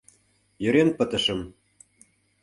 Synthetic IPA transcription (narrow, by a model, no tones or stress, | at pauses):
jø̆ɾenpə̆t̪ə̆ʃə̆m